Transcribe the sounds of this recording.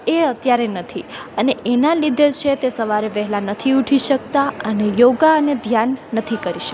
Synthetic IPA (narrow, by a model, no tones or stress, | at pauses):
eət̪jaɾenət̪ʰiəneʔenalid̪ʱet͡ʃʰet̪esəʋaɾeʋɛɦlanət̪ʰiuʈʰiʃəkt̪aənejoɡaəned̪ʱjanːət̪ʰikəɾiʃə̥